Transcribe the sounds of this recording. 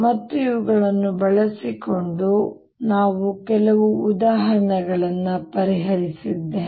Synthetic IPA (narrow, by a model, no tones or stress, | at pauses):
mɐt̪ːuiʋuɡɐɭɐnːubɐɭɐsiko̞ɳɖu | naːʋukɛlɐʋuːd̪aːɦɐɳɐɡɐɭɐnːɐpɐɾiɦɐɾisid̪ːeː